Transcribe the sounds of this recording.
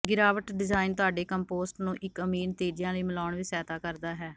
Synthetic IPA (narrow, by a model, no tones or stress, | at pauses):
ɡɪɾaːʋəʈɖɪzaːɪnt̪ʊaːɖeːkəmpoːsʈnũːʔɪkəmiːnt̪eːd͡ʒɪjãːləiːmɪlaːʊɳʋisɛːt̪aːkəɾd̪aːɦɛː